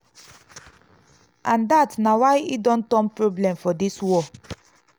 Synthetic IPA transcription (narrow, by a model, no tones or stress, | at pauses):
ʔãndatnawajidɔ̃ntɔ̃npɹoblɛ̃mfɔdiswɔ